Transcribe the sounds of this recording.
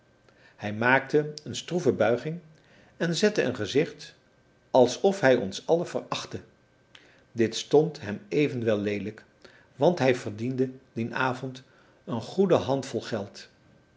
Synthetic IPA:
hɛjmaːk̚təənstruvəbœɥχɪŋ | ɛnzɛtəʔə̰nχəzɪχt | ɑlˠsɔfɦɛjɔ̰nsɑləvərɑχtə | dɪtstɔntɦɛmejvənʋɛlˠːejdələk | ʋɑntɦɛjvəɹdindədinʔaːvɔnt | ənχudəɦɑntfɔlˠχɛlˠt

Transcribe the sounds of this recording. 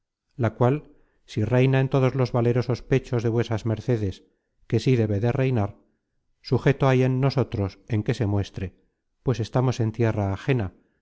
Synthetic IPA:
lakwal | sire̞jnaent̪o̞ð̞o̞zlo̞zβale̞ɾo̞so̞spe̞t͡ʃo̞zðe̞βwe̞sazme̞ɾθe̞ðe̞s | ke̞siðe̞βe̞ðe̞re̞jnaɾ | suxe̞t̪oaje̞nːo̞so̞t̪ɾo̞se̞ŋke̞se̞mwe̞st̪ɾe̞ | pwe̞se̞st̪amo̞se̞nt̪je̞raːxe̞na

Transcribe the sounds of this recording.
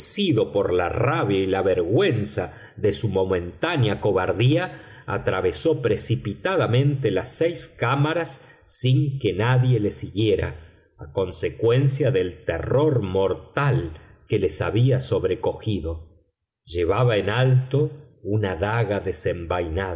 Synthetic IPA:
siðo̞poɾla̰raβjailaβeɾɣwensa | ðesumo̞mẽ̞nt̪anjako̞βaɾðia̰ː | t̪ɾaβe̞so̞pɾesipit̪aðamẽ̞nt̪elasɛjskamaɾasː | iŋkenaðje̞le̞siɣjeɾa̰ː | ko̞nsekwensjaðelt̪ḛroɾmo̞ɾt̪alkelesa̰βiaso̞βɾeko̞xiðo̞ | ʒeβaβaenalt̪o̞ | unaðaɣaðesembajna

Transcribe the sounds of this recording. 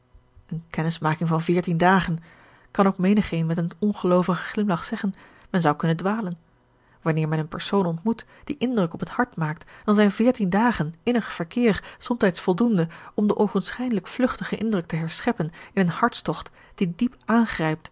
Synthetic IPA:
ənkɛnɪsmaːkɪŋvɑnvɪːɹtindaːχən | kɑnowkmejnəχejnmɛtənɔnχəlowvəχə̥χlɪmlɑχsɛχən | mɛnzɑwkɵnəndʋaːlən | ʋɑnɪːɹmɛnənpɛɹsownɔntmut | d̥iʔɪndrɵkɔpɦəthɑɹtmaːk̚td̥ɑnzɛjnvɪːɹtindaːχənɪnəχfəɹkɪːrsɔmtɛjtsfɔlˠdundəɔmdəʔowvənsχɛjdələkflɵχtəχəʔɪndrɵk̚təɦɛɹsχɛpənɪnənhɑɹtstɔχt | d̥idipʔaːnχrɛjp̚t

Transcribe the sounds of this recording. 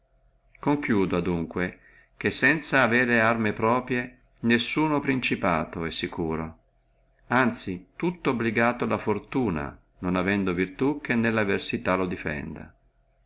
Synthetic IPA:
koŋkjuːd̪oad̪uŋkwe | k̟esːɛnt̪saːveːɾearmepɾɔːpɾje | nesːuːnopɾint͡ʃipaːt̪oɛsːikuːɾo | ant̪sit̪ut̪ːoobliɡaːt̪oalafort̪uːna̰ | nonavɛnd̪ovirt̪uk̟ːenːelːaversit̪alod̪ifɛ̰nd̪a̰

